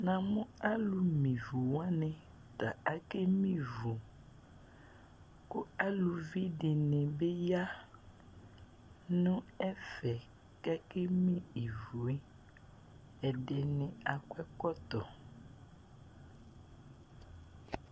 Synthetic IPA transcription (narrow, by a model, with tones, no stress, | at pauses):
nã˨mʊ̃˦a˦lu˨mĩ˨vu˨wã˦nɛ̃˨ | t̪a˨a˨ke˦mĩ˦vu˨ | kʊ˦a˦lu˨vi˦dɪ˨nɛ̃˨be˦ja˦ | nʊ̃˦ɛ˦fɛ˨ | ka˦ke˦mĩ˦i˨vu˨e˦ | ɛ˨de˨nɪ̃˨a˨kɛ˦kɔ˦t̪ɔ˨